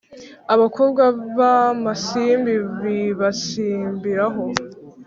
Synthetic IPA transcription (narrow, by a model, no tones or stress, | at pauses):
aβakobɡwaβamasimbiβiβasiːmbiɾaɦo